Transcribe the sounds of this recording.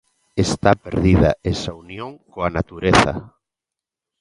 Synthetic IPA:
est̪apeɾðiðaesaunjõŋkoanat̪uɾeθɐ̰

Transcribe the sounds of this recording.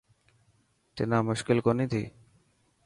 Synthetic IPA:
t̪enamoʃkilkonid̪ʱḭ

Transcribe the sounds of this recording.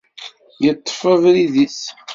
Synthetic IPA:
jət̪ˤːə̥fəvɾiðis

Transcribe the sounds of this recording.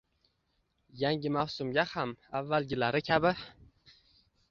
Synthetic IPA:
jaŋʲɪmawsʊmɡʲahamavːalɡʲɪlaɾɪkʲʰabɪ

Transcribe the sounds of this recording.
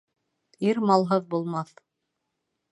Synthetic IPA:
iɾmɑlˠɦɤðbulˠmɑθ

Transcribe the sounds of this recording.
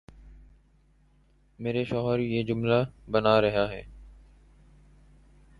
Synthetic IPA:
meːɾeʃɔːɦəɾjeːd͡ʒʊmlabənaɾəɦaɦɛː

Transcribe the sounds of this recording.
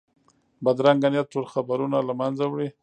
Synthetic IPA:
bad̪ɾaŋɡanjat̪̚ʈolxabaɾunalamanzawɽi

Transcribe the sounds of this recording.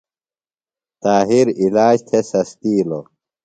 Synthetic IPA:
t̪aːɦiɾilaːd͡ʑt̪ʰesɐst̪iːlo

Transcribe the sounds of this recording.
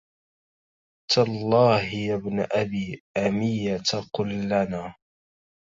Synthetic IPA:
t̪alˤːɑːhjabnaʔabiːʔamɪjat̪aqʊlːanaː

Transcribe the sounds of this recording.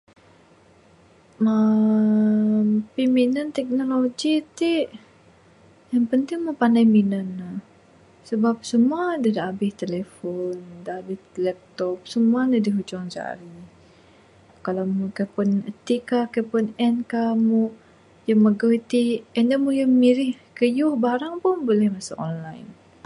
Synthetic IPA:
ə | mpiminənt̪ɛk̚noloɡit̪i | jaŋpənt̪ɪŋmupandajminənːah | səbap̚səmuadadaːbɪht̪elefɔndaːbɪht̪lɛp̚t̪ɔp̚səmuandadiɦut͡ʃɔŋsa̰a̰ɾi | kalamukajpʊnət̪ikakajpʊnɛnkamu | jəməɡəit̪iɛndamujəmiɾɪhkəjuhbaɾaŋpʊnbolɛhmasaʔɔ̰nlajn

